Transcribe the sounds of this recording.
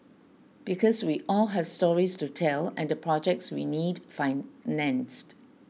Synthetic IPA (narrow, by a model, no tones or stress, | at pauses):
b̥ikʰɔswiʔɔlɦɛv̥stɔɹistutʰɛlɛ̃ndəpʰɹɔd͡ʒɛk̚tswḭnidfaɪnɛ̃nst